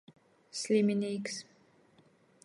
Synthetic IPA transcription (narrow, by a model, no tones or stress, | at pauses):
slʲimʲiniːks